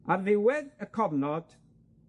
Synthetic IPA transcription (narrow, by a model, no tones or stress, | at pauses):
arðɪwɛdəkʰɔvnɔd̥